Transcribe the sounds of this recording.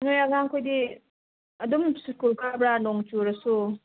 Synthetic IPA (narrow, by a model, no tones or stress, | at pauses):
nʊ̃jaɡãŋkodi | adõmi̥sukulkabɾanɔ̃ŋt͡ʃuɾaso